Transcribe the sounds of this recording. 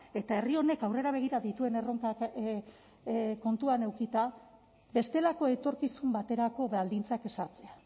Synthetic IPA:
e̞t̪ae̞rio̞ne̞kawre̞ɾaβ̞e̞ɣ̞iɾaðit̪ue̞neroŋka | ko̞nt̪uane̞wkit̪a | be̞st̪e̞lako̞e̞t̪o̞ɾkisumbat̪e̞ɾako̞βald̪int͡sake̞saɾt͡se̞a

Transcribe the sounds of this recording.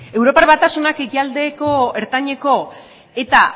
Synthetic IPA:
e̞wɾo̞paɾβat̪asunake̞kiald̪e̞ko̞e̞ɾt̪aɲe̞ko̞ | e̞t̪a

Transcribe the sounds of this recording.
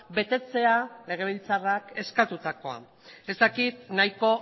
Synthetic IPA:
be̞t̪e̞t͡se̞ale̞ɣ̞e̞β̞ilt͡sarake̞skat̪ut̪ako̞a̰ | e̞zt̪akit̪̚najko̞

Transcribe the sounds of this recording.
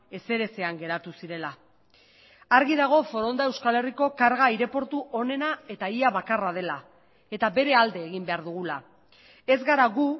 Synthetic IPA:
e̞se̞ɾe̞se̞aŋɡe̞ɾat̪usiɾe̞la | aɾɣiðaɣ̞o̞fo̞ɾo̞nd̪ae̞wskale̞riko̞kaɾɣaiɾe̞po̞ɾt̪uʔo̞ne̞nae̞t̪aiaβakarað̞e̞la | e̞t̪abe̞ɾe̞ald̪e̞ːɣimbe̞aɾðuɣula | e̞zɣaɾaɣu

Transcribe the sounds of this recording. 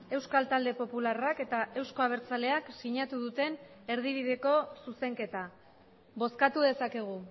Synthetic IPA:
e̞wskalt̪ald̪e̞po̞pularake̞t̪aʔe̞wsko̞aβ̞e̞ɾt͡sale̞aksiɲat̪uðut̪e̞n | e̞ɾðiβiðe̞ko̞suse̞ŋke̞t̪a | βo̞skat̪uðe̞sake̞ɣ̞u

